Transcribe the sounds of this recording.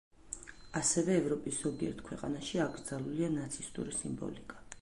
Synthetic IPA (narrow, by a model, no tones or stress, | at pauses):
asɛvɛːvɾɔpʼiszɔɡiɛ̰ɾt̪̚ʰkʰwɛqʼa̰naʃiaɡɾd̪zalˠulianat̪sʰist̪ʼṵɾisimbɔ̰likʼḁ